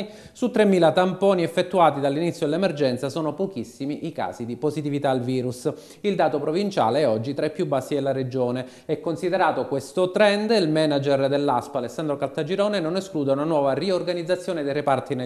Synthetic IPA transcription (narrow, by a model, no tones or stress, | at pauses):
sut̪ːɾeɛmːiːlat̪ampɔːniɛfːet̪ːuaːt̪id̪alːinit̪sːjod̪elːemerd͡ʒɛnt̪sasɔːnopok̟isːimiʔika̰ːzid̪ipozit̪ivit̪aːlviːɾus | ild̪aːt̪opɾovint͡ʃa̰ːleɛɔd͡ʒːit̪ɾɛpːjubːasːid̪elːared͡ʒoːne | ɛkːonsid̪eɾaːt̪okwest̪ot̪ɾɛnd̪ilmɛnad͡ʒerd̪elːaspaːlesːand̪ɾokalt̪ad͡ʒiɾɔːnenoneskluːd̪eunanwɔːvariorɡanid̪zːat̪sːjoːned̪eɾepart̪ine